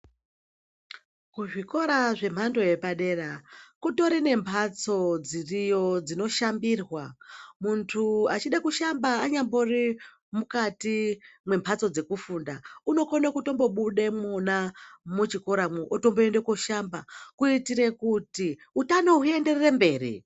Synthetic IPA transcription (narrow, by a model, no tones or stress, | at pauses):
kuʐiko̞ɾaʐe̞m̤ando̞je̞paɗe̞rakuto̞ɾine̞mpʰat͡so̞d͡zirijo̞d͡zino̞ʃambirwamuntʰuat͡ʃiɗakuʃambaːɲambo̞ri | mukatimwe̞mpʰat͡so̞d͡ze̞kufuːndauno̞konokuto̞mbo̞ɓuɗe̞monamut͡ʃiko̞ɾamuʔoto̞mboendekoʃambakuitiɾe̞kuti | utanoɦue̞nde̞rerembe̞ːrḭ